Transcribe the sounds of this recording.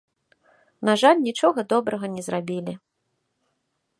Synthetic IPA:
naʐalʲnʲit͡ʂɔɣɐd̪ɔbɾɐɣɐnʲɛzrabʲilʲi

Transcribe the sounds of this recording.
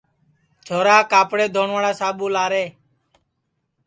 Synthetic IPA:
t͡ʃʰoːɾaːkaːpɽeːd̪ʱoːɳʋaːɽaːsaːɓuːlaːɾeː

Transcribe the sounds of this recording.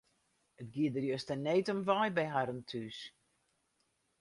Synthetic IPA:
ətɡiədərjøəstəneːtɔmʋajbɛjɦaɾəntʰys

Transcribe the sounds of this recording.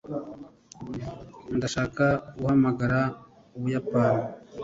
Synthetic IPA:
ndaʃaːkaɡuhamaɡaɾa | uβujapaːni

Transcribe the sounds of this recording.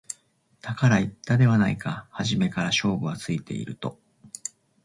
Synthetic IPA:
t̪akaɾait̪ːad̪e̞β̞anaikahaʑime̞kaɾaɕo̞ːbɯ̟βat͡sɨit̪e̞̰ḭɾɯ̟t̪o̞

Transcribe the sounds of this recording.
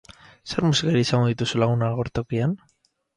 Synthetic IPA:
se̞ɾmusikaɾiisaŋɡoðit̪usulaɣunaɣo̞ɾt̪o̞kian

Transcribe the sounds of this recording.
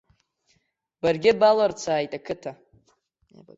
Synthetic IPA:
barɡʲɪbalart͡sʰaːjtʼakʰɨtʰa

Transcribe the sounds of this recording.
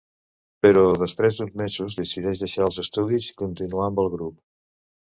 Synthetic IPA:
pəɾɔðəspɾezd̪unzmezuzðəsiðɛʒðəʃaəlˠzəst̪uðiskunt̪inuambəlˠɣɾup̚

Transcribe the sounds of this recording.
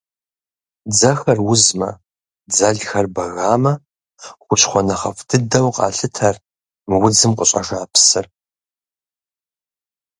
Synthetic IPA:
d͡zɐxɐrwʊzmɐ̰ | d͡zɐɮxɐrbɐɣaːmɐ | χʷʊt͡ʃʰχʷɔnɐχɐ̰fdʰɨdɐwqʼɑ̰ːɬɨtʰɐr | mɨwd͡zɨmqʼəɕʼa̰ʒaːpʰsɨr

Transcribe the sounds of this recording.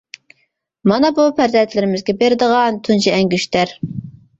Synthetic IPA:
mɑnɑbupʰæɾzɛnt̪ʰlɪɾɪmɪzɡʲɛbeɾɪd̪əʁɑnt̪ʰunt͡ʃʰɛɛŋɡʲyʃt̪æɾ

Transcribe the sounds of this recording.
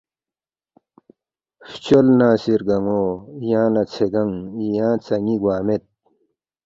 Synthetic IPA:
ft͡ɕolnaːsiɾɡɐŋoːjãːlat͡sʰeɡɐŋijãːt͡sɐŋiɡwaːmet̪̚

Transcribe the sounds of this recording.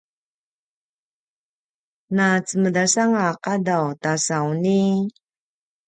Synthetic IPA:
nat͡səmədasaŋaqadawtasawni

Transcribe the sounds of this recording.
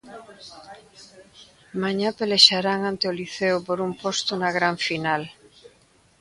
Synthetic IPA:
maɲapeleʃaɾaŋãnt̪eoliθeopoɾumpost̪onaɣ̞ɾaɱfinal

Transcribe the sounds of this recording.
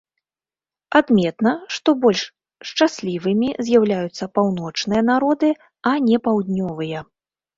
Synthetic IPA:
ad̪mʲɛt̪nɐʂt̪ɔbɔlʲʂ | ʂt͡ʂasʲlʲivɨmʲizʲjawlʲajut̪sːɐpawnɔt͡ʂnɨjɐn̪aɾɔd̪ɨ | ɐnʲɛpawd̪ʲnʲɔvɨjɐ

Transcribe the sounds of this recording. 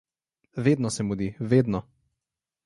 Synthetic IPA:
veːd̪nɔsɛmud̪iʋeːd̪nɔ

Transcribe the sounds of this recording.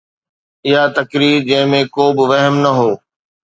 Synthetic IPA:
ɪɦat̪ɐkɾiːɾd͡ʑɐ̃ɦɪ̃mẽkoːbɪʋɐɦmnɐɦoː

